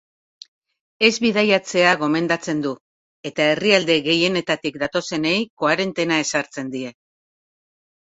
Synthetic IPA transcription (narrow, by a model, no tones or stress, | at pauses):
e̞zβiðajat͡se̞aɣ̞o̞me̞nd̪at͡se̞nd̪u | e̞t̪ae̞riald̪e̞ɣe̞je̞ne̞t̪at̪ikd̪at̪o̞se̞ne̞jko̞aɾe̞nt̪e̞nae̞saɾt͡se̞nd̪ie̞